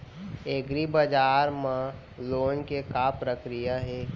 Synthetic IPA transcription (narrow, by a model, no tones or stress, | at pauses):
eɡɾibəd͡ʒaːɾmã | loːnkekapɾəkɾijaɦeː